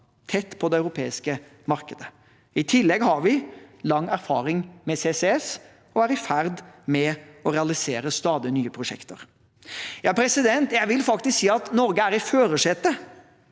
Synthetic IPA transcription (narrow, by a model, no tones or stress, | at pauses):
t̪ʰɛt̪ːpʰɔd̪ɛɑʉɾʊpʰeːɪskə | mɑɾkəd̪ə | ɪt̪ʰɪlːɛɡhɑɾʋɪlɑŋːæɾfɑ̰ːɾɪŋmɛsesɛɛs | ɔæɾɪfæɾd̪mɛɔɾɛɑlɪseːɾəst̪ɑːd̪ɪnyːəpʰɾʊʂɛ̰kt̪ə̰ɾ | jɑːpʰɾɛsɪd̪ɛnt̪jæɪʋɪlfɑkt̪ɪsksiːɑt̪nɔɾɡəæɾɪføːɾəʂɛt̪ə